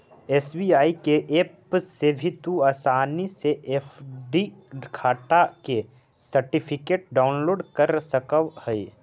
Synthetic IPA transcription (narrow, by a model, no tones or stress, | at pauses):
eːsbiaːikeʔeːpseːʋʱɪt̪uaːsaːniseʔeːfʰɖikʰaːʈake | səɾʈɪpʰɪkeːʈ̚ɖaːʊnloːɖkəɾsəkəwhɛi